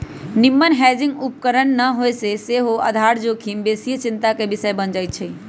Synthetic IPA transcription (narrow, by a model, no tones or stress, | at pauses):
nimːənɦɛd͡ʒĩŋɡup̚kəɾənːəɦoeseseɦoʔə̰d̪ʱaɾd͡ʒokʰimbesijət͡ʃint̪akebisəebənd͡ʒajt̪̚t͡ʃʰəi